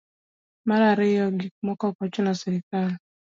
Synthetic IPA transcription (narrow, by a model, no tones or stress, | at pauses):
maɾaɾɪjɔɡik̚mɔkɔkɔt͡ʃʊnasɛɾɪkal